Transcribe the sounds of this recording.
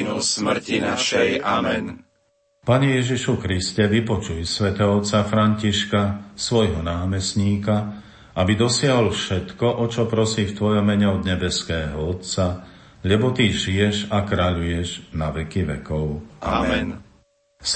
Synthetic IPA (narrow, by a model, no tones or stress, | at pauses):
smɾinaʃɛjamɛn | paɲɛjɛʒiʃukɾiscɛʋipɔt͡ʃujsʋɛt̪ɛːɦɔɔt̪t͡safɾaɲciʃkasʋɔjɦɔnaːmɛsɲiːka | abid̪ɔsɪaɦɔlfʃɛt̪kɔʔɔt͡ʃɔpɾɔsiːft̪ʋɔjɔmːɛɲɛɔd̪ɲɛbɛskɛːɦɔɔt̪t͡sa | ʎɛbɔt̪iʒijɛʒakɾaʎujɛʒnaʋɛkiʋɛ̰kɔʊa̰mɛn